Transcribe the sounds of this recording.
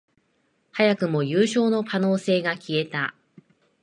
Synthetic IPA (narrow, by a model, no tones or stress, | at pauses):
hajakɯ̟mo̞jɯːɕo̞ːno̞kano̞ːse̞ːɡakʲie̞t̪a